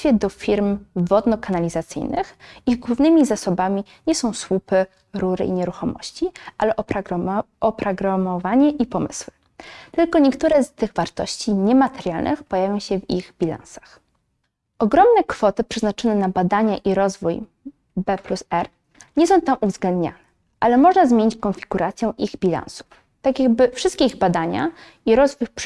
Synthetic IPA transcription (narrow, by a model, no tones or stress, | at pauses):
fʲjɛd̪ɔfʲiɾmvɔd̪nɔkanalʲizat̪sɘ̰jnɘ̰xiɣɡwuvnɘmʲizasɔbamʲi | ɲɛsɔ̃w̃swupɘ | ɾuɾɘ̰iɲɛɾuxɔmɔ̰ɕt͡ɕiʔalɛʔɔ | ɔpɾɔɡɾamɔvaɲɛʔipɔmɘ̰swɘ | t̪ɘlkɔɲɛkt̪uɾɛst̪ɘɣvaɾt̪ɔɕt͡ɕiɲɛmat̪ɛɾʲjalnʔɘ̰xpɔjavʲjɔ̃w̃ɕɛviɣbʲilã̰nsḁx | ʔɔɡɾɔmnɛkfɔt̪ɘpʂɛznat͡ʂɔnɛnabad̪aɲaʔiɾɔzvuj | bɛplusɛɾ | ɲɛsɔ̃w̃t̪amʔuvzɡlɛnd̪ɲa̰nɛ | ʔalɛmɔʐnazmjeɲit͡ɕkɔnfʲiɡuɾat̪sʲjɛ̃ʔiɣbʲilã̰ñsu̥ | t̪akjaɡ̚bɘfʂɘst̪kʲeiɣbad̪aɲa̰ | iɾɔzvujp